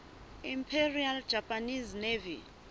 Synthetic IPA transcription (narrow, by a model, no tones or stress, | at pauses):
impʰeriald͡ʒʱapʰʼaniznevḭ